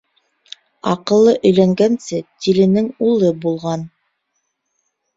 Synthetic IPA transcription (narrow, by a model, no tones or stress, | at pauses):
ɑqɤ̆lˠːɤʔɵ̆jlæŋɡænsɘt̪ilɘ̆nɘŋulˠɤbulˠʁɑn